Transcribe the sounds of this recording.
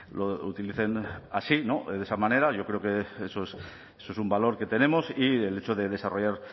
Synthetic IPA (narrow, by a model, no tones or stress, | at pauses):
lo̞ṵt̪iliθe̞na̰sino̞ðesamãne̞ɾaʝo̞kɾeokeesoes | esoesumbalo̞ɾke̞t̪e̞nẽ̞mo̞siele̞t͡ʃoðe̞ðe̞saro̞ʝaɾ